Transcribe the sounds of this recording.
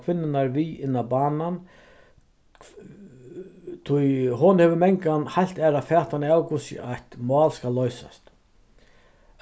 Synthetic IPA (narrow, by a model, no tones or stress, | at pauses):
kʰvɪnːɪnaɾviɪnːabaːnan | t̪ʰʊjɦʊnhɛːvʏɾmɛŋkanhajl̥t̪ɛːɾafɛːt̪anɪawkusɪ̰ʔaht̪mɑːlskalːɔɥsa̰st̪